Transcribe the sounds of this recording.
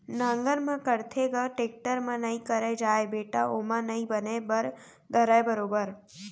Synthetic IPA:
nãːŋɡəɾmãkəɾt̪ʰeɡəʈeːk̚ʈəɾmãnɐĩkəɾed͡ʒaːebeːʈa̰ʔoːmãnɐɦĩbənebəɾ | d̪ʱəɾəebəɾoːbəɾ

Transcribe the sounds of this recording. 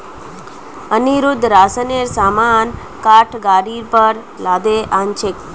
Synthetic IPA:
əniɾud̪ʱɾasəneɾsaman | kaʈʰɡaɾiɾpəɾ | lad̪eʔant͡ʃʰek

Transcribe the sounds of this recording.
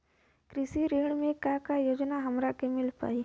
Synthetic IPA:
kɾɪsiɾeːɽ̃mẽkãkajoːd͡ʒnaɦɐmɾakemɪlpa̰ːiː

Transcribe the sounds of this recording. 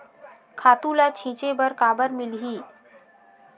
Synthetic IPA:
kʰaːt̪ũlat͡ʃʰĩːt͡ʃebəɾkaːbəɾmɪlɦiː

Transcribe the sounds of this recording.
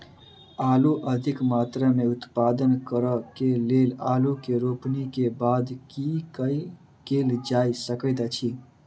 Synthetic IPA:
aːluʔəd̪ʱɪkmaːt̪ɾameʊt̪paːd̪ənkəɾəkeleːlaːlukeɾopnikebaːd̪kikəi | keld͡ʒaːisəkəɪd̪at͡ʃʰi

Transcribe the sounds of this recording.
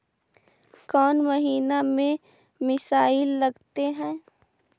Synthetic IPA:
kɔːnmɐɦiːnamẽ | mɪsaːɪlːɐɡt̪eɦɛ̃ː

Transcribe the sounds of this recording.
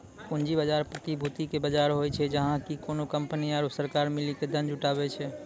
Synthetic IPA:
kʊ̃nd͡ʒibəd͡ʒaɾpɾət̪ibʱut̪ikebəd͡ʒaɾɦojt͡ʃʰɛd͡ʒəɦãkikonokəmpniaːɾsəɾkaɾmɪliked̪ənd͡ʒʊʈabɛt͡ʃʰɛ

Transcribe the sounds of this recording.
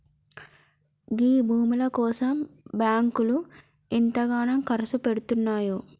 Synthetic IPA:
ɡiːbʱuːmilɐkɔːsɐmbjaːŋkulu | inʈ̪ɐɡaːnɐmkɐɾɐsupeɽut̪unːaːju

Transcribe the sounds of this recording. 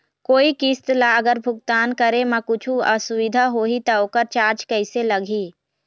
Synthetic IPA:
koːikist̪laɡəɾbʱʊɡ̚t̪aːnkəɾemɐ̃kʊt͡ʃʰuɐsʊʋɪd̪ʱaɦoːɦit̪ɐokəɾt͡ʃaːɾt͡ʃkəɪselɐɡʱiː

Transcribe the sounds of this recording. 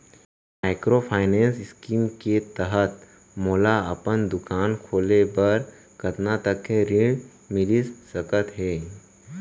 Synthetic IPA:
maɪkɾopʰaːɪnẽːnsɪskiːmket̪əɦət̪ | moːlaɐpənd̪ʊkaːnkʰoːlebəɾ | kɐt̪nat̪əkːeɾɪ̃ɽ | mɪlissəkət̪ɦɛː

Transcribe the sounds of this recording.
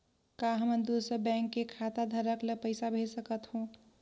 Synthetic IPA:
kaɦəmənd̪osəɾbɛ̃ŋkːekʰat̪ad̪ʱəɾəkləpəɪsabʱesəkət̪ɦũ

